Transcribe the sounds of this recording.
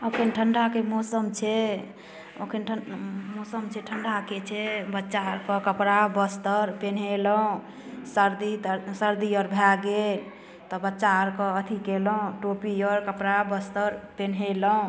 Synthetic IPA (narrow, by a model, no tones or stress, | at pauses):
okʰenʈʰəɳɖakemosəmt͡ʃʰɛ | o̰kʰenʈʰəmosəmt͡ʃʰeʈʰəɳɖaket͡ʃʰɛbətːʃaɾkɔkəpɾabəst̪əɾpenɦeləũ | səɾd̪isəɾd̪iəɾbʱjaɡel | t̪ɔbətːʃaəɾkɔət̪ʰikelɔũʈopiəɾkəpɾabəst̪əɾpenɦelɔũ